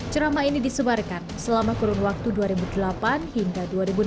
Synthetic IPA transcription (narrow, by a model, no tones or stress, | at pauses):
t͡ʃəɾamainidisəbarkansəlamakuɾʊŋwak̚t̪uduaɾibudəlapanhiŋɡaduaɾibu